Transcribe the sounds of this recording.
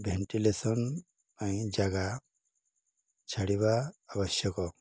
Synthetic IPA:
bʱeɳʈilesɔn | ãj̃d͡ʒaɡa | t͡ʃʰaɽiβaːbɔsjɔkɔ

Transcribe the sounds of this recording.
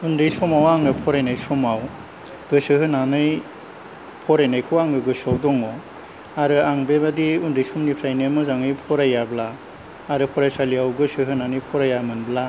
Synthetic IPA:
undɯjsumawaŋɯpʰɔɾajnajsɔmaw | ɡɯsɯɦɯnanɯj | pʰɔɾajnajkʰɯwaŋɡɯɡɯsawdɔŋɔ | aɾɯaŋbebadiundɯjsumnipʰɾajnimɯzaŋɯjpʰɔɾajablaː | ɾɯpʰɔɾajsaliawɡɯsɯɦɯnanɯjpʰɔɾajamɯnbla

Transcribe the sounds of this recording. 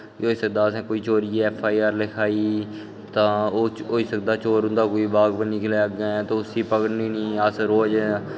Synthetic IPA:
ɦoːiːsək̚d̪aːsɛ̃ːkoːiːt͡ʃoːɾiːɛːpʰaːiːaːɾlɪkʰaːiː | t̪ãːoːɦoːiːsək̚d̪aːt͡ʃoːɾɦʊ̃nd̪aːkoːiːbaːɡbənikleːɡeɛt̪oːʊsiːpəkənniːnĩːəsɾoːd͡ʒ

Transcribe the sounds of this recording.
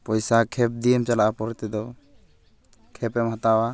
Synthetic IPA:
pɔjsakʰɛp̚d̪ijɛmt͡ʃalaʔapɔɾt̪ɛd̪ɔ | kʰɛpɛmɦat̪awa

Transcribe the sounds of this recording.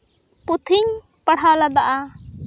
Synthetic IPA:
put̪ʰiɲ | paɽ̤alad̪aʔa

